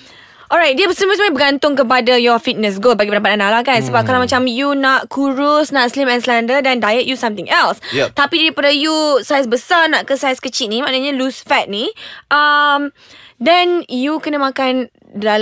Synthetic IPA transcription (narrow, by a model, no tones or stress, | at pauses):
ʔɔɹajt̚diəbəsliməsmaibəɡant̪ʊŋkəp̬adajɔfit̪̚nəs̬ɡolbaɡipəndapat̪̚analakansəbap̚kalawmat͡ʃamjunaʔkuɹʊsnaʔslimɛ̃nslandədɛ̃ndajəʔ̚jusãmt̪ɪ̃ŋʔɛlst̪apidaɾipadajusajsbəsanaʔkəsajskət͡ʃit̪̚nĩmaʔnaɲalusfɛt̪̚niʔəm | dɛ̃njukənəmãkan | da